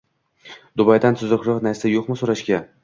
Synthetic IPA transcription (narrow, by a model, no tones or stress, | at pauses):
d̪ʊbɑjd̪ant̪ʰʊzʊqɾɨqnaɾsajoqmɪsoɾaʃkʲa